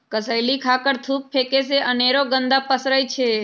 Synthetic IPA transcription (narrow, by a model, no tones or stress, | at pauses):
kəsəjlikʰakəɾt̪ʰup̚fʰekeseʔəneɾoɡənd̪apəsɾəjt͡ʃʰe